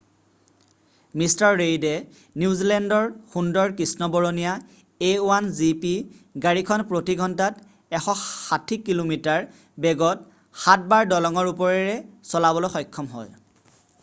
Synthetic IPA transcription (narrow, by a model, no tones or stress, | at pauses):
mistaɹːejdɛ | niuzilɛndɔɹxundɔɹkɹisnɔbɔɹonija | ewanzipi | ɡaɹikʰɔnpɹotiɡʱɔntat | ɛxɔxatʰikːilomitaɹ | bɛɡɔt | xat̚baɹdɔlɔŋɔɹupɔɹɛɹɛsɔlabɔlojxɔjkʰːɔmɦɔ̰j